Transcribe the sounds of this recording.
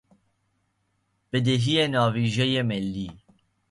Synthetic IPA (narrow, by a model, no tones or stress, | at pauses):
b̥ɨd̪eɦijenɑːviːʒɛjemɛlːiː